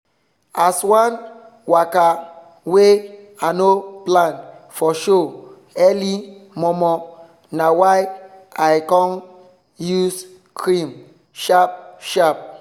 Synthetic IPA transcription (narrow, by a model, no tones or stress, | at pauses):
aswãn | waka | we | anoplãnfɔʃo | ɛlimɔmɔ | nawaɪʔaɪkɔ̃n | jus | kʰɹĩm | ʃap̚ʃap̚